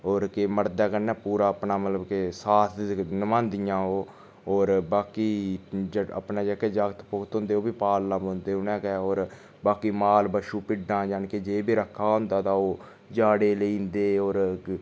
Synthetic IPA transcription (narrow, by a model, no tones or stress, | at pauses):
oːɾkeməɽd̪aːkəɾnɛːpuːɾaːəpnaːmət̪ləbkesaːt̪ʰnəmãːnd̪ijãːɦoː | oːɾbaːkiːd͡ʒəə̰pnaːd͡ʒəːkɛːd͡ʒaːɡət̪pʊkt̪ɦõːnd̪eːoːbiːpaːlnãːbõːnd̪eːʊnɛ̃ːkɛoːɾ | baːkiːmaːlbəʃuːpɪɖãːd͡ʒaːnkeːd͡ʒeːbiːɾəkʰːaːɦʊ̃nd̪aːt̪ãːoː | d͡ʒaːɽeːləĩːnd̪eːoːɾ